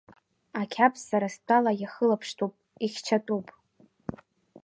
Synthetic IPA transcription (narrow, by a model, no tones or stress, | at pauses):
akʲʰapʰʼsaɾastʰʼalajaχəlapʰʂtʰupʼiχʲt͡ʃʰatʼupʼ